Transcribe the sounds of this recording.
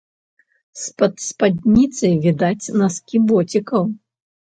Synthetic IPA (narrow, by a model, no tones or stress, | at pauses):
spɐt̪spad̪ʲnʲit̪sɐjvʲid̪at͡sʲnɐskʲibɔt͡sʲikɐw